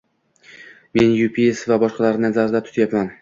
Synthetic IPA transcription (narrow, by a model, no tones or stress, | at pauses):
me̞njupʰiesvabɒʃqɑlaɾnazaɾd̪at̪ʰʊ̥t̪ʰjapman